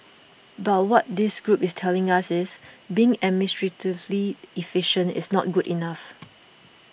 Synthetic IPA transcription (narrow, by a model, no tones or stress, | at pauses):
bat̚wɔt̚dɪsɡɹupɪstʰɛlɪ̃ŋasɪsbiɪ̃ŋɛmɪnɪstɹətʰivliifɪʃə̃nɪ̰snɔt̚ɡudinaf